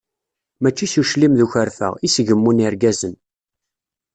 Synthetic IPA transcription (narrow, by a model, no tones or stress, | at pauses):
mæt͡ʃːisuʃlimðuçəɾfə̰ʁisʝəmːuniɾɡæzən